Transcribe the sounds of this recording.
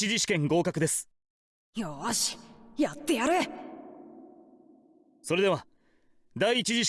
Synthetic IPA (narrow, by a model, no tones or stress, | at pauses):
iʑiɕi̥kẽ̞ŋɡo̞ːkakɯ̟d̪e̞sɨ̥ | joaɕi̥jat̪ːejaɾe | so̞ɾe̞d̪e̞βa | d̪aiːt͡ɕiʑiɕ